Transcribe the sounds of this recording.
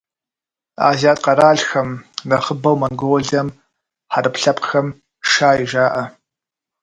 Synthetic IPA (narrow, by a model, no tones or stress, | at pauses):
a̰ːzaːtʼqɐɾaːɮxɐmrɐχəbɐwmɐnɡʷoɮɐm | ħaɾɨpɬɐpʰʼxɐm | ʂaːjiʒaːʔɐ